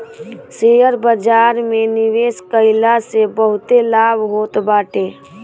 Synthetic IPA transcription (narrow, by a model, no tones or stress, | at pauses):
sejəɾbəd͡ʒaːɾmẽnɪʋeːskəɪlasebəɦʊt̪elaːbʱɦoːt̪baːʈe